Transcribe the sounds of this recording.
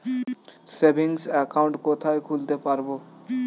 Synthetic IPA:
sebʱiŋsɛkawɳʈkot̪ʰaekʰult̪epaɾbo

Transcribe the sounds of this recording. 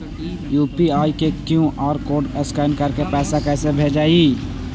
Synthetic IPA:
juːpiaːikekjũʔaːɾkoːɖɛskaːɪnkɐɾkepɛːsakɛːsebʱeːd͡ʒaːiː

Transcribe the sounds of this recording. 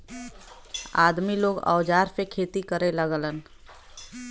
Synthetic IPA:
a̰ːd̪miloːɡɔ̰ːd͡ʒaːɾpekʰeːt̪ikəɾeləɡələn

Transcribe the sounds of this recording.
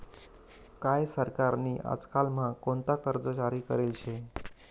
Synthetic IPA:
kajsəɾkaɾniːʔa̰d͡zkalmakont̪akəɾd͡zət͡ɕaɾiːkə̰ɾelɕe

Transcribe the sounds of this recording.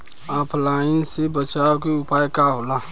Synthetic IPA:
aːpʰlaːĩsebət͡ʃaːok̬eʊpaːjkaɦoːlaː

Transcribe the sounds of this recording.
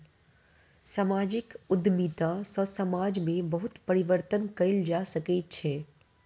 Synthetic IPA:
saːmaːd͡ʒɪkʊd̪miːt̪asɔsəmaːd͡ʒmẽbɐɦʊt̪pɐɾɪʋəɾt̪ənkɐɪld͡ʒaːsɐkɛt͡ʃʰɛː

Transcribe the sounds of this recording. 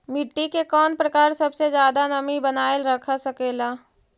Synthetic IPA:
mɪʈːikekɔːnpɾəkaːɾsɐbsed͡ʒjaːd̪anɐmibənaːelɾəkʰasɐkeːlaː

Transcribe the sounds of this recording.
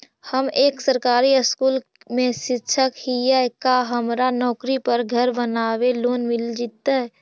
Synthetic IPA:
həmeːksəɾkaːɾiəskuːl | mẽʃɪtːʃʰəkhijakaɦəmɾanɔːkɾipəɾɡʱəɾbənaːweloːnmɪld͡ʒit̪ːaɦɛ

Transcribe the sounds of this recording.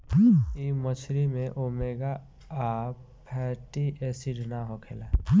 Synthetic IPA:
imət͡ʃʰɾimẽʔoːmeːɡa | a | pʰɛːʈiʔesiɖnaɦokʰeːlaː

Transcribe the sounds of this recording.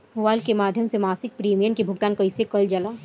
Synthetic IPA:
ɦʊʋaːlkemaːd̪ʱjəmsemaːsɪk̚pɾiːmijənkebʱʊk̚t̪aːnkɐɪsekɐld͡ʒɐlaː

